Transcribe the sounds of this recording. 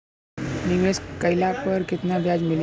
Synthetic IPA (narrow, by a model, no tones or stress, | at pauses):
niʋeskəjlapəɾkɪt̪nabʱjad͡zmil